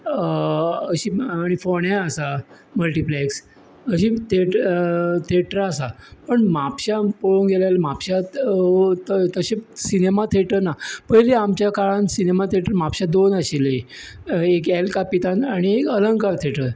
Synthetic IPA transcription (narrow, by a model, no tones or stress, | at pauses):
əɕiːɽ̃ifoɳjãəsa | məlʈipleks | əɕit̪ʰeʈt̪ʰeəʈəɾasapəɳmapɕapoɭuŋɡelalmapɕat̪ət̪əɕẽsinemat̪ʰeʈəɾnapəɦleamt͡ɕjakaɭãnsinemat̪ʰeeʈəɾmapɕad̪onaɕile | ekelkapit̪anaɽ̃iekələŋkaɾt̪ʰeʈəɾ